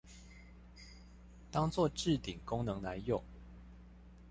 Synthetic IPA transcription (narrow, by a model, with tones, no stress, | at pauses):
t̪ɑ˥ŋt͡swɔ˥˨ʈ͡ʂɻ̩˥˨t̪i˨˩ŋkʊ˥ŋnɤ˧˦ŋla˧˦ɪjo˥˩ŋ